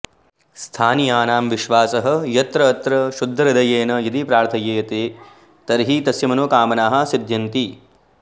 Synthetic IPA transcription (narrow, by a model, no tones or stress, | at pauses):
st̪ʰaːnijaːnaːmʋiʃʋaːsɐɦɐ̆jɐt̪ɾɐːt̪ɾɐʃud̪ʱːɐɾɐd̪ɐjeːnɐjid̪ipɾaːɾt̪ʰɐjeːɐt̪eː | t̪ɐɾɦit̪ɐsjɐmɐnoːkaːmɐnaːɦɐsid̪jɐnt̪i